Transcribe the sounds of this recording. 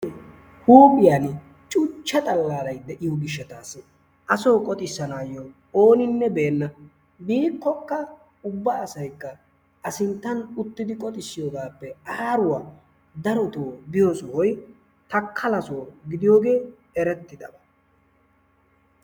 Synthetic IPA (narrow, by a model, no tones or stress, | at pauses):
huːpʼɪjaːn | t͡ʃʼʊt͡ʃːɐt̪ʼɐlːaːɾɐjd̪ɛʔɪjoɡɪʃːɛt̪aːs | ʔɐsoːkʼɔt̪ʼɪsːɐnaːjːo | oːnɪnːɛbe̞ːnːɐ | biːkːɔkːɐ | ʊbːɐːsɐjkːɐ | ɐsɪnt̪ːɐnʊt̪ːɪd̪ɪkʼɔt̪ʼɪsːɪjoːɡaːpːɛaːɾʊwaː | d̪ɐɾɔt̪oːbɪjɔsɔwɔj | t̪ɐkʰːɐlɐsoːɡɪd̪ɪjo̞ːɡe̞ː | ɛɾɛt̪ːɪd̪ɐbɐ